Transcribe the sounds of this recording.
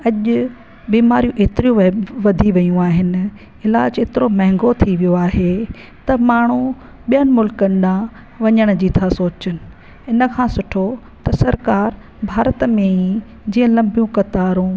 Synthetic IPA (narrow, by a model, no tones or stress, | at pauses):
ɐʄʊ | ɓiːmaːɾijũʔeːt̪ɪɾijũʋɐd̪ʱiʋɐjũaːɦɪnɪ̆ | ɪlaːd͡ʑeːt̪ɪɾomɐɦɪ̃ŋɡot̪ʰiʋijoaːɦe | t̪ɐmaːɳ̤ũ | ɓijənɪ̆mʊlkənɗã | ʋɐɲəɽ̃d͡ʑiːt̪ʰasoːt͡ɕənɪ̆ | ɪnə̆kʰãːsʊʈʰo | t̪ɐsɐɾkaːɾ | bʱaːɾət̪mẽĩ | d͡ʑiːə̃lɐ̃mbʱijũkɐt̪aːɾũ